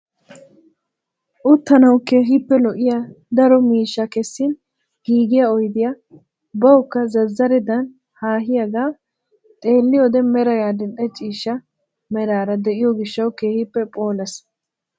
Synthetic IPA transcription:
ʔʊt̪ːɐnɐwkeːɦɪpːɛlɔʔɪja | d̪ɐɾɔmiːʃːɐkɛsːɪn | ɡ̥iːɡɪjaɔjd̪ɪja | bɐwkːɐzɐzːɐɾɛd̪ɐn | haːɦɪjɐɡaː | t̪ʼe̞ːlːɪjɔd̪ɛmɛɾɐjaːd̪ɛnɗɛt͡ʃʼiːʃːɐ | mɛɾaːɾɐd̪ɛʔɪjɔɡɪʃːɐwke̞ːhɪpːɛpʼo̞ːlɐs

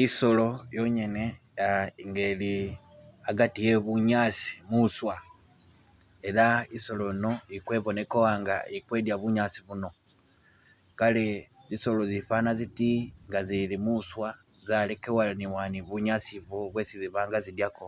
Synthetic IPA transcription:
iso̞lo̞jo̞ɲene̞ | aŋɡeli | aɡatijeβuɲasi̥muswa | e̞laiso̞loino̞ikwe̞βo̞ne̞kowaŋɡa̰ikwe̞ːdjaβuɲasiβuno̞ | kale | ziso̞lo̞zifanazitiŋɡazilimuswazalekewaniwaniβuɲasiβoβwe̞siziβaːŋɡazidjako

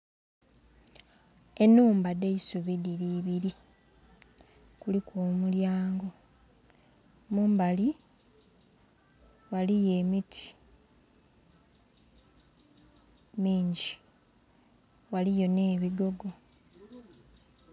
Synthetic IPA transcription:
e̞nːuːmbade̞isuβidiɾiːβiɾi | kulikwoːmuljaːŋɡo̞ | muːmbali | walije̞ːmitʰi̥ | miːɲɟi | walijo̞ne̞ːβiɡo̞ɡo̞

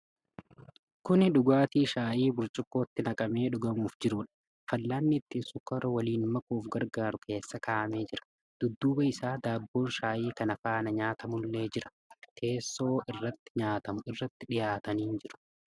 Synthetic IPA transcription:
kʊnᶑʊɡaːt̪iːʃaːʔiːbʊɾt͡ʃʼʊkʼːo̞ːt̪ːɪnɐkʼɐme̞ːᶑʊɡɐmuːfd͡ʒɪɾʊᶑɐ̥ | fɐlːaːnːɪɪt̪ːiːnsʊkːɐɾɔwɐliːnmɐkuːfɡɐɾɡaːɾʊkʰe̞ːsːɐkaːʔɐme̞ːd͡ʒɪɾɐ̥ | d̪̥ʊd̪ːuːbɐɪsaːd̪aːbːo̞ːnʃaːʔiːkɐnɐfaːnɐɲaːt̪ɐmʊlːe̞ːd͡ʒɪɾɐ̥ | t̪ʰe̞ːsːo̞ːɪrːɐt̪ːɪ̥ɲaːt̪ɐmʊɪrːɐt̪ːɪᶑɪjaːt̪ɐniːnd͡ʒɪɾʊ̥

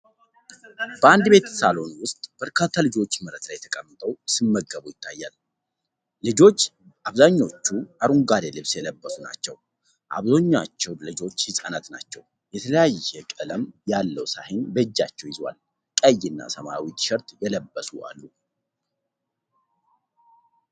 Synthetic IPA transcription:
b̥əand̪be̞t̪salo̞nwʊst̪ʼb̥əɾkʰat̪ʰːalɨd͡ʒo̞t͡ʃːməɾət̪lajɛt̪ʰəkʼəmːɨt̪ʰʼəwsɨmːəɡːəβujɪt̪ʰːajːalː | ɨd͡ʒo̞t͡ʃː | ʔaβzaɲːo̞t͡ʃːuʔaɾuŋɡad̪elɨβsjɛləbːəsuna̰t͡ʃːɛw | ʔa̰βzo̞ɲːat͡ʃːɛwlɨd͡ʒo̞t͡ʃːhɨsʼanat̪na̰t͡ʃːɛw | jɛt̪ʰələjajɛkʼələmjalːəwsahɪnbəd͡ʒːa̰t͡ʃːɛwjɪzwa̰l | kʼəjːɪnːa̰səmaawit͡ʃʼʃɛɾt̪jɛləbːəsua̰lːu

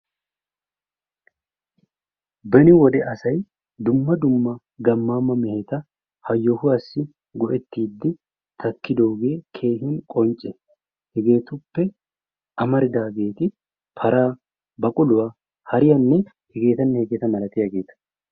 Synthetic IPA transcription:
bɛnɪwɔd̪ɛʔɐsɐj | d̪ʊmːɐd̪ʊmːɐ | ɡɐmːaːmːɐmɛhet̪ɐ | hɐjːɔhʊɐsːɪ | ɡɔʔɛt̪ːiːd̪ːɪ | t̪ʰɐkːɪd̪oːɡe̞ːkʰe̞ːɦɪnkʼɔnt͡ʃʼːɛ | hɛɡe̞ːt̪ʊpːɛ | ʔɐmɐɾɪd̪aːɡe̞ːt̪ɪ | pʰɐɾaː | bɐkʼʊlʊwa | hɐɾɪjɐnːɛ | hɛɡe̞ːt̪ɐnːɛhɛɡeːt̪ɐmɐlɐt̪ɪjɐɡeːt̪ɐ̥

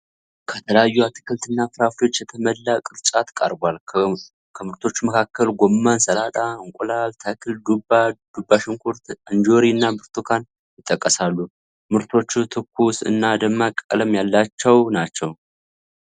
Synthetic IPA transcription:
kʰət̪ʰələjajːuat̪ʰɨ̥kʰəlt̪ɨnːafɨɾafio̞t͡ʃːjɛt̪ʰəməlːakʼɨɾt͡ʃʼat̪kʼa̰ɾbʷal | kʰəmɨɾt̪ʰo̞t͡ʃːuməkʰakːəlɡomːansəlat̪ʼaɨŋkʷʼulalt̪ʰəkʰɨld̪ubad̪̥ubːaʃɨŋkʰuɾt̪ɨnd͡ʒoɾiɨnːabɨɾt̪ʰukʰan | jɪt̪ʼːəkʼːəsalːu | mɨɾt̪ʰo̞t͡ʃːut̪ʰɨkːusɨ̰nːad̪əmːakʼə̰ləmjalːat͡ʃːɛwnat͡ʃːɛw

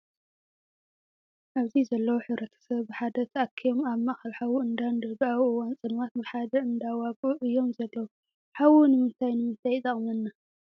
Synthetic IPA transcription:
ʔaβzizɐlːɐwuħɨβɾɐt̪ʰɐ̥sɐβːɨħad̪ɐt̪ʰakʰːijomaβmaxalħawuɨnd̪and̪ɐbaβʔɨwant͡sʼɨnwat̪̚bɨħad̪ɐɨnd̪awakʼuʔɨjːomzɐlːɐwu | ħawunɨmɨnt̪ʰajnɨmɨnt̪ʰajt̪ʼɐχʼmɐnːa

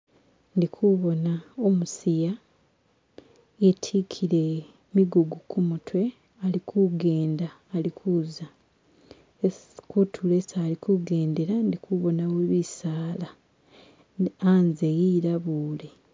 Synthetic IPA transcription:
ndikʰuβo̞naomusija | etʰikʰiɾe̞ | miɡuɡukʰumutʰwe̞ | alikʰuɡe̞ːndaːlikʰuːza | kutʰule̞saːlikʰuɡe̞ːnde̞ɾandikuβo̞naweβisaːla | anzejiɾaβuːle̞

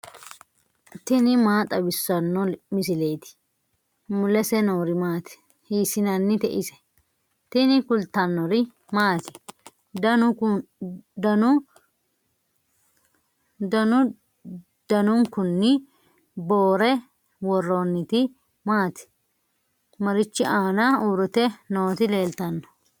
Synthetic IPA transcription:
t̪ɪnɪmaːt̪ʼɐbɪsːɐnːɔmɪsɪlejt̪ɪ̥ | mʊlɛsɛnoːɾɪmaːt̪ɛ̥ | hiːsɪnɐnːɪt̪ɛʔɪsɛ̥ | t̪ɪnɪkʊlt̪ːɐnːɔɾɪ | maːt̪ɪ̥ | d̪ɐnʊ | d̪ɐnʊ | d̪ɐnʊ | d̪̥ɐnʊŋkʊnːɪ | boːɾɛ | wɔrːonːɪt̪ɪ | maːt̪ɪ̥ | mɐɾɪt͡ʃːɪʔaːnɐuːɾɔt̪ɛnoːt̪ɪle̞ːlt̪ɐnːɔ̥

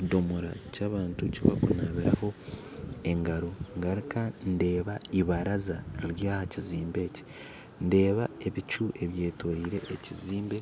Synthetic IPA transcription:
cido̞muɾa̰caːβaːntuciβa̰kunaβiɾa̰ho̞ | e̞ŋɡaɾoŋɡaɾikande̞ːβaiβaɾazaɾiɾjaːhaciziːmbe̞ːci̥ | nde̞ːβae̞βit͡ʃuʔe̞βje̞ːtʰoɾiːɾe̞ʔːciziːmbe̞

